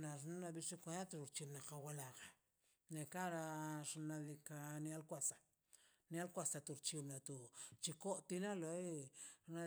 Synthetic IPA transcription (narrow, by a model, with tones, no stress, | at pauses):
na˨ʐ̬nu˦na˧bi˧ʂi˦kʷa˧a˦t̪ɾu˧ɾt͡ʃi˧bna˨ka˧wa˧la˨ɡa˨ | ne˨ka˦ɾa˧ʂna˧li˧ka˧nja˦lkʷa˧sa˨ | n˦a˦lkʷa˧sa˨t̪u˨ɾt͡ʃi˧bna˨t̪u˨t͡ʃi˧ko˦t̪i˧na˦lo˨˦na˧